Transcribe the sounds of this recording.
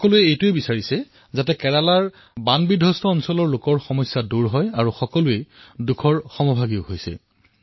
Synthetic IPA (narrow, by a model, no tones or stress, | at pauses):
ɔkɔlʊɛejtʊebisaɹisɛ | zatɛkɛɹalaɹ | banbidʱɔstʰɔːnsɔlɔɹlokɔɹxɔmɔjsːaduɹɦɔjaɹuxɔkɔlʊedukʰɔɹxɔmɔbʱaɡiohojsɛ̰